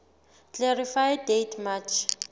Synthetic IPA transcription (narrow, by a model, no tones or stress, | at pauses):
klɛɾifajdejtʰmat͡ʃʰ